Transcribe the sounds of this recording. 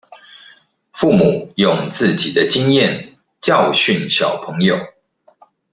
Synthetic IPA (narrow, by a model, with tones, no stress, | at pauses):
fu˥˨˩mu˨˩˦jʊ˨˩ŋt͡sɹ̩˥˨t͡ɕi˨˩d̪ə˦t͡ɕi˦njɛ˥˨n | t͡ɕjɑ˥˨ʊɕy˥˨nɕjɑ˨˩ʊpʰə˨˦ŋjo˨ʊ